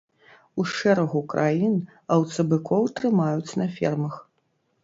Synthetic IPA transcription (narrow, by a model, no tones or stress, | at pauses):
uʂɛɾɐɣukɾʔajin | ɐwt̪sɐbɨkʰɔwt̪ɾɨmajut͡sʲnɐfʲɛrmɐx